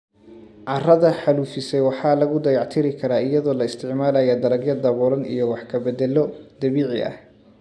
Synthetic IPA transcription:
ʕɑrɐðɐħɑluːfɪsɛjwɑħɑːlɐɣʊd̪ɐjɑʕt̪ʰɪɾɪkʰɐɾaːɪjɐðɔːlɐɪst̪ʰɪʕmaːlajad̪ɐɾɐɡjɐd̪ɐβɔːɾɐnḭjɔwɑħkʰɐbɛd̪ɛlɔd̪ɐβiːʕɪ̰ʔɐ̰h

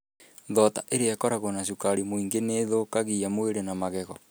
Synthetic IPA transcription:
ðɔtaʔeɾeɛkɔɾaɣonaʃukaɾimoiŋɡeneðokaɣiamweɾenamaɣɛɣɔ

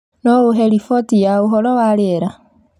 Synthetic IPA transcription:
noɣuɦelifotijauɦolowaleɾa

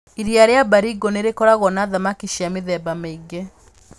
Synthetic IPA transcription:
iɾiaɾeabaɾiɡɔneɾekɔɾaɣɔnaðamakiʃiameðɛbameiɡe

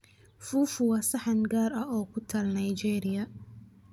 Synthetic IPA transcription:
fuːfʊwɑːsɐħɐnɡaːɾɐɔːkʰʊt̪ʰalnajt͡ʃɛːɾɪjɐ

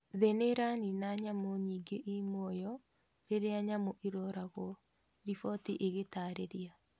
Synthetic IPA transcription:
ðeneɾaninaɲamoɲiːŋɡeʔimoɔjɔ | ɾeɾeaɲamoʔiɾɔɾaɣɔ | ɾifɔtiʔeɣetaːɾeɾia

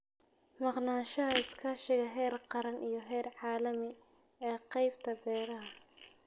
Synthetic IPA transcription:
mɑqnaːʃɐɦɐɪskʰɐʃɪɣɐɦɛːrqɑɾɐnʔijɞɦɛːrʕɑːlɐmɪɛːqɑjb̥t̪ʰɐbɛːɾɐɦɐ

